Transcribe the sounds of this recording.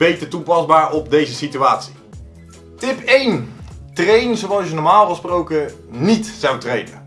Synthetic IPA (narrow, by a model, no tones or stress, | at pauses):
b̥ejtəɹtupɑzbaːɹɔb̚dejzəsityaːtsi̥ | tɪpejntrejnzowɑlˠsjənɔɹmaːlˠəsprowkə | nitsɑwtrejnə̰